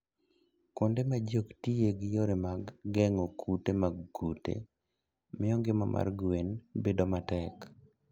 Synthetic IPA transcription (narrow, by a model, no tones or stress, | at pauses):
kondemad͡ʒoktieɡɪjoɾemaɡːɛŋokʰutemaɡɡutḛ | mɪɔŋɡɪmama̰rɡenbedomatɛk